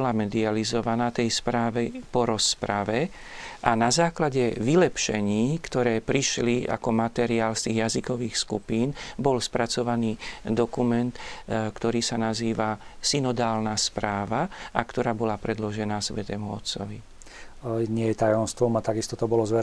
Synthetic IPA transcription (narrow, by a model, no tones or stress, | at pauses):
ɔlamɛd̪ializɔʋanaːt̪ɛjspɾaːʋɛpɔɾɔspɾaʋɛ | ʔanazaːklaɟɛʋilɛpʃɛ̰ɲiːkt̪ɔɾɛːpɾiʃlia̰kɔmat̪ɛɾiaːlst̪iːɣjazikɔʋiːxskupiːnbɔlspɾat͡sɔʋaniːd̪ɔkumɛnt̪kt̪ɔɾiːsanaziːʋasinɔd̪aːlnaspɾaːʋaʔakt̪ɔɾaːbɔlapɾɛd̪lɔʒɛnaːsʋɛt̪ɛmuɔt̪t͡sɔ̰ʋi | ɲɪɛjɛt̪ajɔmst̪ʋɔmat̪aɡist̪ɔt̪ɔbɔlɔzʋɛ